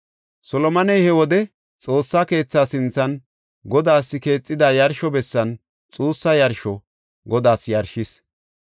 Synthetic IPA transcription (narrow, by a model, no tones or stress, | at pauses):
sɔlɔmɐnɛjhɛwɔd̪ɛ | t͡sʼo̞ːsːake̞ːt͡sːaːsɪnt͡sːɐn | ɡɔd̪aːsːɪke̞ːt͡sʼːɪd̪ajɐɾʃɔbɛsːɐn | t͡sʼuːsːɐjɐɾʃɔ | ɡɔd̪aːsjɐɾʃɪs